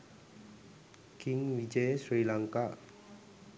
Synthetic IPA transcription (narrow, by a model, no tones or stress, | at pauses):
kɪŋwid͡ʒesɾilaŋkaʔ